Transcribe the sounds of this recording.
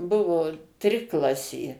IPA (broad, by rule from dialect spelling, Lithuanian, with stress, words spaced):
ˈbʊʋoː ˈtʲrʲɪklˠɐsʲeː